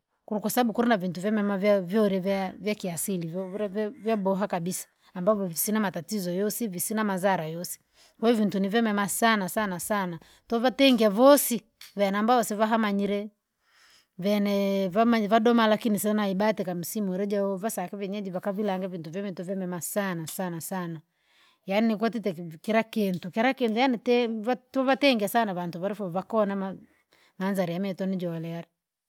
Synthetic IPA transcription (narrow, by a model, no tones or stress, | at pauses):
kukwasaɓaɓukuɾinavintuvjamɛmavjavjɔɾɛvavjakiasilivɾvvjabɔɦakabisḁːmbavɔvisinamatatizɔjɔsivisinamazaɾajɔsi̥ | kwajɔvintunivjɛmɛmasanasanasana | tɔvatɛŋɡiavɔsi | vɛnambaɔsɛvaɦamaɲiɾɛ | vɛnɛβamaβadɔmalakinisɛnaiɓatɛkam̩simuɛɾɛd͡ʒaɔβasakɛβɛɲɛd͡ʒiβakaβilaŋɡavintuvjɛmituvjɛmɛmasanasanasana | janinik̬wɔtitɛkɛɾakentukɛɾakentujanitɛatɔβatɛŋɡiasanaβantuβaɾifɔβakɔnama | manzaɾijamɛtɔnid͡ʒɔlɛaɾɛ